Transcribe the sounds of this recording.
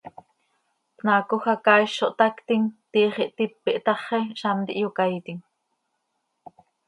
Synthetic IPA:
p̪naːkoxɑkɑːjʃoʔt̪ɑkt̪iŋt̪iːχiʔt̪ipːiʔt̪ɑχeʃɑnt̪ḭʔjokait̪iŋ

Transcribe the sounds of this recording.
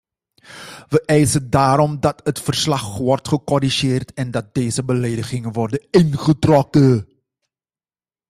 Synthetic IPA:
ʋəʔɛjsədaːɾɔmdɑtətfərslɑχʋɔrtχəkɔɾiʒeːrtɛndɑt̚deːzəbəleːdəχɪŋəʋɔrdənɪnχətrɔkə

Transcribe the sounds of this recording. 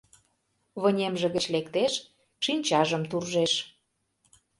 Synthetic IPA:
βə̆nʲemʒĕɣə̆t͡ɕlekt̪eʃ | ʃinʲt͡ɕɑʒə̆mt̪urʒeʃ

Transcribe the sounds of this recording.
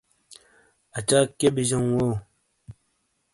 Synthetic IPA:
at͡ʃakebiʒoŋwo

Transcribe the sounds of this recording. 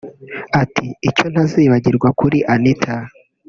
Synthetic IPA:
atʰiːt͡ʃo̞n̥haziːβaɟiɾɡwakuɾiʔanitʰa

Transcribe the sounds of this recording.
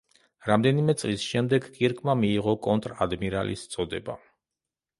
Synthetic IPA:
ɾamd̪ɛnimɛt̪sʼlisʃɛmd̪ɛɡkʼiɾkʼmamiːʁɔkʼɔnt̪ʼɾad̪miɾa̰lḭst̪sʼɔd̪ɛba̰

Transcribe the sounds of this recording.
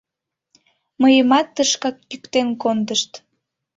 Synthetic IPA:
məjəmɑt̪ːəʃkɑk̚pykt̪enkond̪əʃt̪

